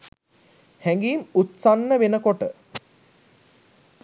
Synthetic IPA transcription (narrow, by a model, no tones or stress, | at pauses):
hɛŋɡiːmut̪sanːəʋenəkoʈə